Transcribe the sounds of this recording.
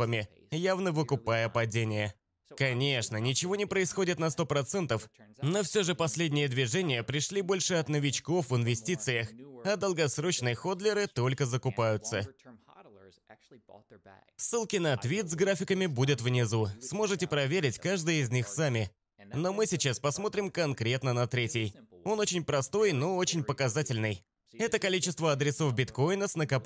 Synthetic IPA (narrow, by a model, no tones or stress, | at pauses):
əmʲɪ | javnəvɨkʊpajəpɐdʲenʲɪjə | kɐnʲe̞ʂnənʲɪt͡ɕɪvonʲɪpɾəɪsxo̞dʲɪt̪nɐst̪o̞pɾɐt̪sɛnt̪əfno̞fsʲoʐɨpɐsʲlʲedʲnʲɪjəd̪vʲɪʐɛnʲɪjəpɾʲɪʂlʲibo̞lʲʂɨɐt̪nəvʲɪt͡ɕko̞fvɪnvʲɪsʲtʲit̪sɨjəxɐd̪əlˠɡɐsɾo̞t͡ɕnɨjəxo̞d̪lʲɪɾɨt̪o̞lʲkəzəkʊpajʊt̪sə | sːɨlˠkʲɪnɐt̪vʲit̪zɡɾafʲɪkəmʲɪbudʲɪt̪vnʲɪzusmo̞ʐɨtʲɪpɾɐvʲeɾʲɪtʲkaʐd̪ɨjəɪzʲnʲixsamʲɪ | no̞mɨsʲɪt͡ɕaspɐsmo̞t̪ɾʲɪmkɐnkɾʲe̞t̪nənɐt̪ɾʲetʲɪjo̞no̞t͡ɕɪnʲpɾɐst̪o̞jno̞o̞t͡ɕɪnʲpəkɐzatʲɪlʲnɨj | ɛt̪əkɐlʲit͡ɕɪst̪vəɐd̪ɾʲɪso̞fbʲɪt̪ko̞jnəsnəkɐp